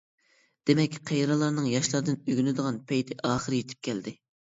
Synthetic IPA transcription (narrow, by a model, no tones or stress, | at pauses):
d̪̥emɛkʲqʰejɾɑlˠɑɾnɨŋjɑʃlˠɑɾd̪ɨnøɡʲynɪd̪əʁɑnpʰɛjt̪ʰɪʔɑːχəɾɨjet̪ʰɪ̥p̚kʲʰɛld̪ɪ